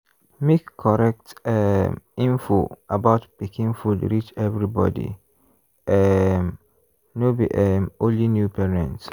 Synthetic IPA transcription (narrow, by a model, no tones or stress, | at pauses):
mekkʰːɔɹɛk̚tɛmĩnfoabaʊtpikʰĩŋfudɹit͡ʃɛvɹibɔ̰dḭ | ʔɛm | nobiʔɛmõnlinjupɛɹɛ̰̃nt